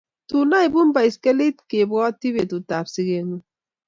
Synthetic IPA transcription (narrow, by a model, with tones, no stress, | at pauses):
tu˨na˦i˨bu˦m̩˦ba˨i˨ske˦li˦t̚ke˨bɣɔ˦ti˦be˨tu˨ta˨psi˦ɣe˦ŋu˦